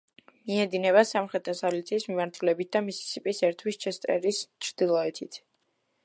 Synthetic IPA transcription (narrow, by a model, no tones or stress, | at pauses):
miɛd̪inɛβasamχɾɛt̪ʰasalit̪sʰiːsmimaɾt̪ʰulɛbit̪̚ʰd̪amisi̥sipʼisɛɾt̪ʰwist͡ʃʰɛst̪ʼɛ̰ɾist͡ʃʰɾd̪̥ilˠɔɛt̪ʰit̪ʰ